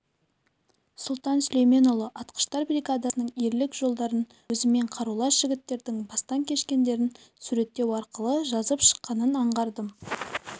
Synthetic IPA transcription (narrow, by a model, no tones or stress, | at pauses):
sʊlˠt̪ɑnsʏlejme̞nolˠəʔɑt̪qə̥ʃt̪ɑɾbrʲijɡad̪ɑsənəɴe̞ɾlɪkʒo̞lˠd̪ɑɾən | ɵzɪme̞ɴqʰɑɾulˠɑsʒ̥ɪɡʲɪt̪ːe̞ɾd̪ɪŋbɑst̪ɑŋkʲʰe̞ʃkʲe̞nd̪e̞ɾɪnsuɾe̞t̪ːe̞wɑɾqəlˠəʒɑzəpʃə̥qːɑnənɑɴʁɑɾd̪əm